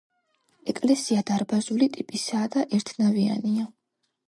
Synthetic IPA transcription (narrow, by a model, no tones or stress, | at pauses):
ɛkʼlɛsiad̪aɾbazulit̪ʼipʼisaːd̪aʔɛɾt̪ʰnavia̰nia